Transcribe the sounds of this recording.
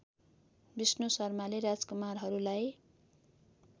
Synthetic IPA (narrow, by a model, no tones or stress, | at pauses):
bisnosʌrmaleɾad͡zkumarɦʌɾulaj